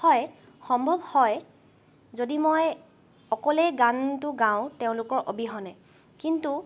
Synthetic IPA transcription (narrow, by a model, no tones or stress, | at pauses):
ɔj | xɔmbʱɔbhɔj | zodimoj | ɔkɔlejɡantʊɡãʊ̃teʊ̃lʊkɔɹʔobiɦɔnɛ | kintu